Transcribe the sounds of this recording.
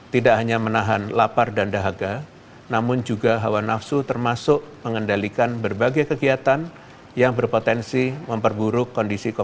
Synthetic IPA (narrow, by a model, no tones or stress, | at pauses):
t̪idaʔɦaɲamənaɦanlapardandaɦaɡa | namʊnd͡ʒuɡaɦawanafsut̪ərmasʊʔməŋəndalikanbərbaɡajkəɡiat̪an | jaŋbərpot̪ɛnsiməmpərbuɾʊkːɔndisiko